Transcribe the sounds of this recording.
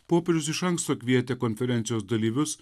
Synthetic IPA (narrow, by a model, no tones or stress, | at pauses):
poːpʲɛɾʲʊsɪʃɐŋkst̪oːkʲʋʲiɛt̪ʲeːkɔnʲfʲɛɾʲɛnʲt̪sʲɪjoːsd̪ɐlʲiːʋʲʊs